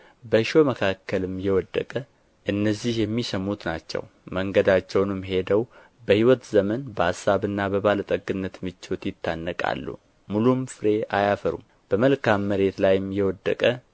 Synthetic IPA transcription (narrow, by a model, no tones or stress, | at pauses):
bəʃoməkʰakʰːəlɨmjɛwɔd̪ːə̰kʼə | ʔɨnːəzːihjɛmːisəmːut̪na̰t͡ʃːɛ̰w | məŋɡəd̪at͡ʃːɛwnɨmɦe̞d̪əw | bəhiwɔt̪zəmənbəasːaβɨnːabəβalət̪ʼəɡːɨnːət̪mɨt͡ʃːot̪jɪt̪ʰːanːəkʼa̰lːṵ | mulumfɨɾe̞ʔajafəɾṵm | b̥əməlkamːəɾe̞t̪lajɨmjɛwɔd̪ːəkʼə